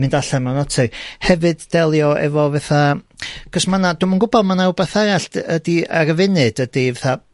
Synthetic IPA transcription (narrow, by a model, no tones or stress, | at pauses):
mɨndaɬɛmanɔtʰɨhɛvɨdd̥ɛlˠjɔʔɛ̰vɔvɛθakʰəsmanad̥ʊmənɡʊbɔðmanawbɛθɛɾaɬtədiaɾəvɪnɨd̥əd̥ivɛθa